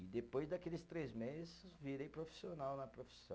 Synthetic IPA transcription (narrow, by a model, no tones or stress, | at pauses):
ɪd̪epojzd̪akelɪst̪ɾezmezzsɪviɾejpɾofi̥sionawnɐpɾofi̥sɐ̃